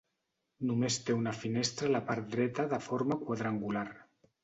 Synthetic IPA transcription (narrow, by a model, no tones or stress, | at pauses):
numest̪eunafinest̪ɾalapaɾt̪̚d̪ɾɛt̪aðəfoɾmakwaðɾaŋɡular